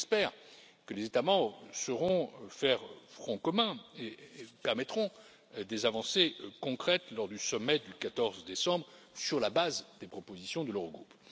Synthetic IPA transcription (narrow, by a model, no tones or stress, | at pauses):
ɛspɛʁ | kəlezet̪amɑ̃bʁsəʁɔ̃fɛʁfχɔ̃kɔmɛ̃epɛʁmɛt̪χɔ̃ | d̪ezavɑ̃sekɔ̃kχɛt̪lɔʁd̪ysɔmɛd̪ykat̪ɔʁzd̪esɑ̃bʁ | syʁlabazd̪epχɔpozisjɔ̃d̪əlœʁɡʁup